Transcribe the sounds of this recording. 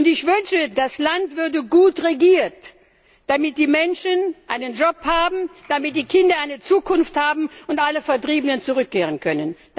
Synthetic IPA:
ʊntɪçv̥ʏnʃədaslantv̥ʏɐdəɡuːtʁeɡiːɐt | d̥amɪt̚d̥iːmɛnʃənʔaɪnənd͡ʒɔphaːbm̩d̥amɪt̚d̥iːkʰɪndɐaɪnət͡suːkʰʊnfthaːbm̩ʊntʔaləfɛɐtʁ̥iːbənənt͡suʁ̞ʏkʰːeːʁənkʰœnənd

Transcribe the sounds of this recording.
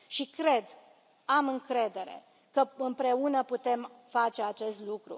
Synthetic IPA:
ʃikɾe̞d̪ | amɨŋkɾe̞d̪e̞ɾe̞̰ | kəɨmpɾe̞unəput̪e̞mfat͡ʃe̞at͡ʃe̞st̪lukɾṵ

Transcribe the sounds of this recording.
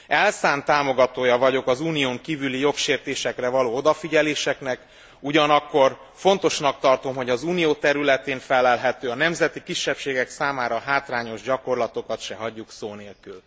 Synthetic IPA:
ɛlsaːnt̪aːmo̞ɡɒt̪oːjɒvɒɟo̞kɒzuːnijoːŋkiːvylijo̞kʃeːrt̪eːʃɛkrɛvɒloːod̪ɒfiɟɛleːʃɛknɛk | uɟɒnɒkːo̞r | fo̞nt̪o̞ʃnɒk̚t̪ɒrt̪o̞mɦo̞ɟɒzuːnijoːt̪ɛɾylɛt̪eːnfɛlːɛlɦɛt̪øːɒnɛmzɛt̪ikiʃːɛpʃeːɡɛksaːmaːɾɒɦaːt̪raːɲo̞ʒɟɒko̞rlɒt̪o̞kɒt̪ʃɛɦɒɟːuksoːneːlkyl

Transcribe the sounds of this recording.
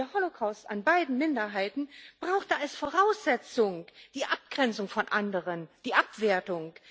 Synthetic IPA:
ɐhɔlokʰaʊsta̰nbaɪdn̩mɪndɐɦaɪtn̩b̥ʁaʊxtəalsfoːʁaʊsz̥ɛt͡sʊŋd̥iːʔap̚ɡ̥ʁɛnt͡sʊŋfɔnʔandəʁənd̥iːʔapv̥eːɐtʊŋ

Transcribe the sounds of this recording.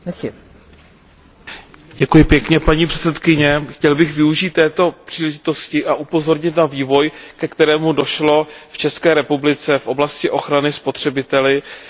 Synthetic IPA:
ɛs | ɟɛkujɪpjɛkɲɛpaɲiːpr̥ɛ̥t̪t͡ssɛt̪kɪɲɛxcɛlbɪxvɪuʒiːt̪ːɛːt̪o̞pr̝̥iːlɛʒɪt̪o̞scɪʔaʔupo̞zo̞ɾɲɪt̪naviːvo̞jkɛkt̪ɛɾɛːmudo̞ʃlo̞ft͡ʃɛskɛːɾɛpublɪt͡sɛfʔo̞blascɪʔo̞xɾanɪspo̞t̪r̝̥ɛbɪt̪ɛlɪ

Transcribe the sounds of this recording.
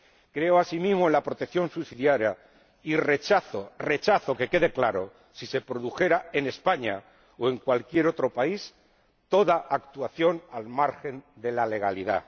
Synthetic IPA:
kɾe̞oasimizmo̞enlapɾo̞t̪ekθjo̞nsusiðjaɾja | ire̞t͡ʃaθore̞t͡ʃaθo̞ke̞ke̞ðe̞klaɾo̞ | sise̞pɾo̞ðuxe̞ɾae̞ne̞spaɲa | oe̞ŋkwalkje̞ɾo̞t̪ɾopais | t̪o̞ðaʔakt̪uaθjo̞nalmaɾxe̞nd̪e̞lale̞ɣ̞aliða̰

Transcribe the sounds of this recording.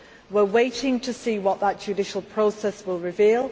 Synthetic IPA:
wɪweɪtʰɪ̃ŋtʰəsiːwɒʔðəʔd̥ʒ̥ɨdɪʃəlˠpʰɹ̥oʊsɛswɪlˠɹɪviːlˠ

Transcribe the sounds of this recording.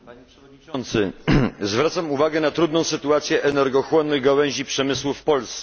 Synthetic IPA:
paɲʂɔɲiɔnt̪sɘzvɾat̪samuvaɡɛnat̪ɾud̪nɔ̃w̃sɘt̪uat̪sʲjɛʔɛnɛɾɡɔxwɔnːɘɣɡawɛɲ̃ʑipʂɛmɘswufpɔlst̪

